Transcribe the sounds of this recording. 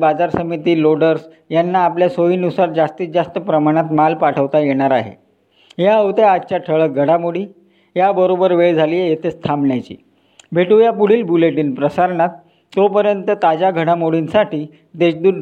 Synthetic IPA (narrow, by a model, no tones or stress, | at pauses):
bad͡zaɾsəmit̪iːloɖəɾs | janːaːpljasoiːnusaɾd͡zast̪iːd͡ʑast̪əpɾəmaɽ̃at̪malpaʈʰəʋt̪ajeɽ̃aɾaɦḛ | ɦjaəʋt̪jaad̪̚t͡ɕaʈʰəɭəɡʱəɽamuɽiː | jabəɾobəɾʋeɭd͡zʱaliːejet̪est̪ʰamɳjat͡ɕḭː | bʱeʈujapuɽ̤iːlbuleʈiːnpɾəsaɾɳat̪ː | opəɾjənt̪ət̪ad͡ʑaɡʱəɽamoɽinsaʈʰiː | d̪eɕd̪uːn